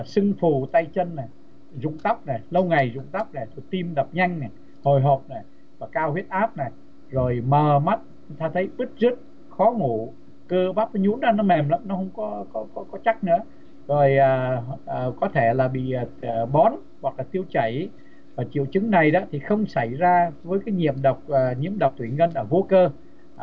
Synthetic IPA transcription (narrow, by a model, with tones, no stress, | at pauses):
sɨ˧ŋfu˨˧˩t̪a˧jt͡ɕə˧nːa˨˩j | zʊ̰˧˨ŋ͡mt̪a˦˥wk͡p̚na˨˩jlə˧wŋa˨˩jzʊ̰˧˨ŋ͡mt̪a˦˥wk͡p̚na˨˩jt̪ʰo˧˩jt̪i˧mɗə˨˩p̚ɲa˧jŋ̟na˨˩j | ho˨˩jɦo˨˩p̚na˨˩j | vaː˨˩kaː˧whi˦˥ət̚ʔaː˦˥p̚na˨˩j | zo˨˩jməː˨˩ma˦˥t̚ | ʊ˧˦ŋ͡mt̪aː˧t̪ʰə˨˦jɓɨ˦˥t̚zə˦˥ət̚ | xɔ˨˦ŋu˧˩ | kəː˧ɓaː˦˥p̚və˨˦ɲṵ˧˥nɗaː˧˦nɔ˨˦mɛ˨˩mla˧˦˥mnɔ˨˦hə˧wŋ͡mkɔ˨˦kɔ˨˦kɔ˨˦kɔ˨˦t͡ɕa˦˥k̚nɨ̰˧˥ə | zo˨˩jʔaː˨˩əː˨˩kɔ˨˦t̪ʰe˧˩laː˨˩ɓḭː˧˨˩ɓɔ˨˦n | wa˨˩k̚laː˨˩t̪i˧əwt͡ɕə˧˩j | vaː˨˩t͡ɕḭ˧˨əwt͡ɕɨ˨˦ŋna˨˩jɗɔ̰˨˦t̪ʰi˨˩xə˧wŋ͡msa˧˩jzaː˧vəː˨˦jkaː˨˦jɲḭ˧˨əmɗə˨˩wk͡p̚ːɲḭ˧˥əmɗə˨˩wk͡p̚t̪ʰwi˧˩ŋə˧nʔəː˧˩vo˧˦kəː˧